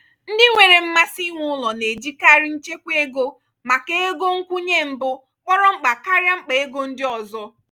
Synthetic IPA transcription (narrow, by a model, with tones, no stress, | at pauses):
n̩˦dɪ˦ŋʷe˨ɾe˨m̩˦ma˦si˦ŋʷʊ˦lɔ˨ne˨d͡ʒi˦ka˦ɾɪ˦n̩˦t͡ʃe˦kʷe˦ɡo˦ | ma˨ke˦e˦ɡo˦ŋ̩˦kʷu˦ɲe˦m̩˨bʊ˦ | k͡pɔ˦ɾɔ˦ŋ͡m̩˦k͡pa˨ka˦ɾja˦ŋ͡m̩˦k͡pe˨e˦ɡo˦n̩˦dɪ˦ɔ˨zɔ˦